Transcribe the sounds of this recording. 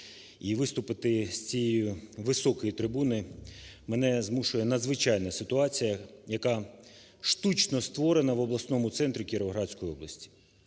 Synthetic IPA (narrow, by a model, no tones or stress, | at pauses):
iʋɪst̪ʊpɪt̪ɪsʲt͡sʲijɛjʊʋɪsɔkɔjit̪ɾɪbunɪmenɛzmuʃʊjɛnɐd̪zʋɪt͡ʃɑjnɐsɪt̪ʊɑt͡sʲijɐjɐkɑ | ʃt̪ut͡ʃnɔst̪ʋɔɾenɐʋɔblˠɐsnɔmʊt̪sɛnt̪ɾʲikʲiɾʋɐɦɾɑsʲkɔjiɔblˠɐsʲtʲi̥